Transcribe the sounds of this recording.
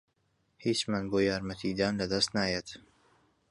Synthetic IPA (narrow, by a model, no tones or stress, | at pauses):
hiːt͡ʃmanboːjaːɾmɐt̪ʰid̪aːnlɐd̪ɐst̪naːjeːt̪